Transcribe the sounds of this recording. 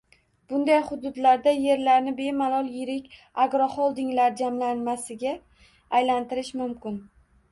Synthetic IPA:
b̥ʊnd̪ajχʊd̪ʊd̪laɾd̪aje̞ɾlaɾnɪbe̞malˠɒlˠjɪɾɪkʲ | aɡɾɒχɒlˠd̪ɪŋlaɾd͡ʒamlanmasɪɡʲaː | jlant̪ɪɾɪʃmʊmkʲɪn

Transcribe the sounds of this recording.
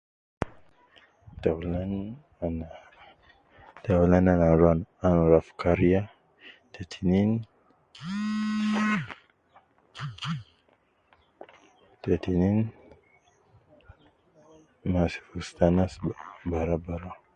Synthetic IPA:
talan | ana | t̪awlananaɾuananuɾafkaɾija | t̪ʰet̪ʰinin | t̪et̪inin | masi̥fust̪anasbaɾabaɾa

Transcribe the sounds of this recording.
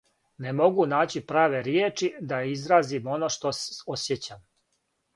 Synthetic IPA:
nemo̞ɡunaːt͡ɕipɾaːʋe̞ɾjeːt͡ʃid̪aizɾaːzimo̞noʃt̪ososjet͡ɕam

